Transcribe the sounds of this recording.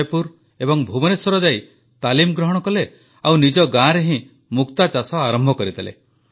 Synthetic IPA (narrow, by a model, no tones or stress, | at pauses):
jpuɾ | ebɔŋbʱubɔnesɔɾɔd͡ʒai | t̪alimɔɡɾɔɦɔɽɔkɔle | awnid͡ʒɔɡãɾeɦĩ | mukt̪at͡ʃasɔaɾɔmbʱɔkɔɾit̪ʰalḛ